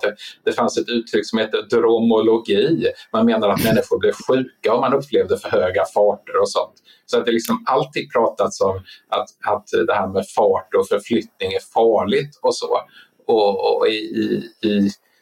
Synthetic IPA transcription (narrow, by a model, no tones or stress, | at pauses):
d̪̥ɛd̪̥ɛfansɛt̪ʉ̟ːt̪ʰɾʏkːsɔmheːt̪ːəd̪ɾʊmʊlʊɡiːmanmeːnaɾat̪mɛnːɪɧʊɾblɪvɧʉ̟ːkaɔmanɵpʰːleːvd̪əfœɾhøːɡafɑːʈəɾɔsɔ̰nt̪ | sɔat̪d̪ɛlɪksɔmalt̪ʰiːɡ̪̚pʰɾɑːt̪at̪sɔmʔat̪at̪d̪ɛhæːɾmɛfɑːʈɔfœɾflʏt̪nɪŋæɾfɑːɭɪt̪ʰɔsɔ̰ː | ɔ̰ɪ̰ː